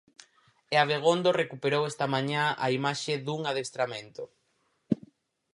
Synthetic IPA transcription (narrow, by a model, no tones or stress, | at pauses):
eaβeɣ̞ond̪orekupeɾowɛst̪amãɲãaimaʃeðuŋaðest̪ɾamẽnt̪o